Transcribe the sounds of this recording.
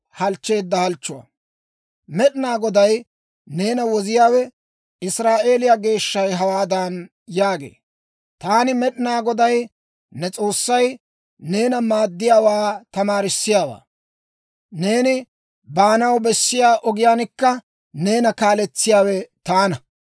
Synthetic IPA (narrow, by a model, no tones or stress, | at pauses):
hɐlt͡ʃːe̞ːd̪ːɐhɐlt͡ʃːʊwɐ̰ | mɛɗɪnaːɡɔd̪ɐj | ne̞ːnɐwɔzɪjaːwɛ | ɪsɾaːʔe̞ːlɪjaɡe̞ːʃːɐjɦɐwaːd̪an | jaːɡe̞̰ː | t̪aːnɪmɛɗɪnaːɡɔd̪ɐj | nɛt͡sʼo̞ːsːɐj | ne̞ːnɐmaːd̪ːɪjaːwaːt̪ɐmaːɾɪsːɪjaːwa̰ː | ne̞ːnɪ | baːnɐwbɛsːɪjaːʔɔɡɪjaːnɪkːɐ | ne̞ːnɐkaːlɛt͡sːɪjaːwɛt̪aːnɐ